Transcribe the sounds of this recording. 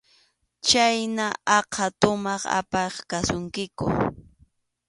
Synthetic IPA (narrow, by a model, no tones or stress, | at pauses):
t͡ʃajnaɑqʰat̪ʊmɑχa̰pɑχkasʊŋkɪkʊ̰